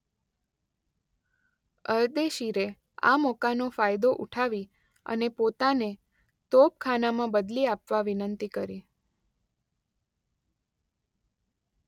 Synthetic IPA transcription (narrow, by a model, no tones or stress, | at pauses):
əɾd̪eʃiɾe | a̰mɔkanofajd̪oʔuʈʰaʋi | ə̰nepot̪ane | t̪op̚kʰanamãbəd̪liapʋaʋinənt̪ikəɾi